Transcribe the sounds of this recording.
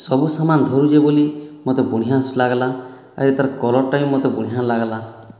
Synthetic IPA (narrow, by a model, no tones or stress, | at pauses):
sɔbusamand̪ʱɔɾud͡ʒebolimot̪ebuɽ̃iɦaslaɡala | a̰ɾet̪aɾkɔlɔʈajũmɔt̪ebuɽ̃iɦalaɡala